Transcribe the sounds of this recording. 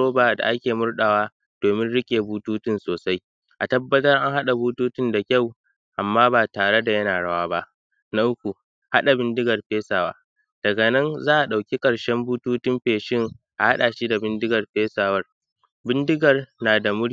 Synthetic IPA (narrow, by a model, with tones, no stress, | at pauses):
oː˦baː˨da̰˨ʔa˦kʲeː˨mʊ˦rɗa˨waː˦ | d̥oː˨mɪ˦nɽɪ˦kʲeː˨buː˦tuː˦tɪ˦nsoː˨sa˦j | ʔa˨tɐ˦bːɐ˦tɐ˦rʔa˦ŋha˦ɗa˨buː˦tuː˦tɪ˦nda˨kʲa˦˨w | ʔa˨mːaː˦baː˨taː˨ɽe˦da˨jɐ˦naː˨ɽa˦waː˦ba˦ʔ | na˦ʔʊ˦k̚ʷu˨ | ha̰˦ɗa˨bɪ˦ndɪ˦ɡɐ˨rɸeː˦saː˨wa̰ː˦ | d̥ɐ˨ɡɐ˨nɐ˦nzaː˦ʔa˨ɗa˨wkʲi˦kʼɐ˨ɽʃɛ˦mbuː˦tuː˦tɪ˦mɸeː˨ʃɪ˦ŋ | ʔa˨ha˦ɗaː˨ʃi˦da˨bɪ˦ndɪ˦ɡɐ˨rɸeː˦saː˨wɐ˦r | bɪ˦ndɪ˦ɡɐ˨rnaː˨da˨mʊ˦ɽ